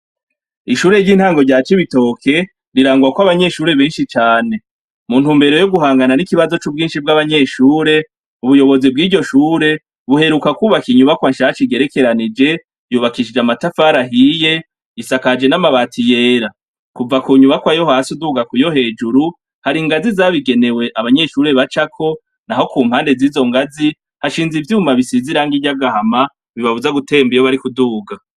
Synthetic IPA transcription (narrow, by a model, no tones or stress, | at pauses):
iʃuːɾe̞ɾɟiːn̥haːŋɡo̞ɟaːt͡ʃiβito̞kʰe̞ | ɾiɾaːŋɡuɾakwaβaɲe̞ʃuːɾe̞βeːnʃit͡ʃaːne̞ | mun̥uːmbeɾo̞jo̞ɡuɦaːŋɡananikiβazo̞t͡ʃubɡiːnʃibɡaβaɲe̞ʃuːɾe̞ | uβujo̞βo̞zib̚ɡiːɟo̞ʃuːɾe̞ | βuhe̞ɾukakuːβakiɲuβakwaʃaːt͡ʃiɡe̞ɾe̞ke̞ɾanid͡ʒe̞ | juːβakiʃid͡ʒamatafaːɾaɦije̞ | isakad͡ʒe̞namaβaːtʰije̞ːɾa | kuvakuːɲuβakwajo̞hasuduːɡakujo̞ɦe̞ːd͡ʒuɾu | haɾiŋɡazizaβiɡe̞ne̞we̞ʔaβaɲe̞ʃuɾe̞βat͡ʃakʰo̞ | naho̞kuːm̥haːnde̞ziːzo̞ŋɡazi | haʃiːnzivjihumaβisiziɾaŋɡiɟaɡahama | βiβaβuzaɡutʰe̞ːmbijoβaɾikuduːɡa